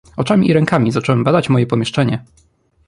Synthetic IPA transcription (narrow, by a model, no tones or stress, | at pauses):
ɔt͡ʂamʲḭʔːɾɛŋkamʲizat͡ʂɔwɛmbad̪at͡ɕmɔjɛpɔmʲjɛʂt͡ʂɛɲɛ